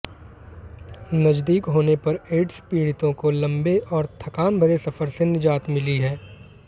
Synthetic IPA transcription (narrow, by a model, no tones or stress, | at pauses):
nɐd͡ʒd̪iːkɦoːnepɐɾeːʈspiːɽɪt̪õkolɐ̃mbeʔɔːɾt̪ʰɐkaːnbʱɐɾesɐfəɾsenɪd͡ʒaːt̪mɪliɦɛː